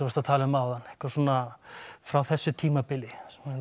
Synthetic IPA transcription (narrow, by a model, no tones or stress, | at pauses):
vast̪at̪ʰaːlɪðʏmawðanːɛ̥hkvaɾsɔːnafɾawθɛsːʏt̪ʰiːmapɪlɪsm